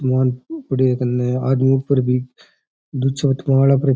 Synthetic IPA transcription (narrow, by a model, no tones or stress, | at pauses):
maːnpɐɽik̪ɐnːeaːd̪muːpɐɾbi | d̪ut͡ʃʰɐʋɐt̪maːɭapɾ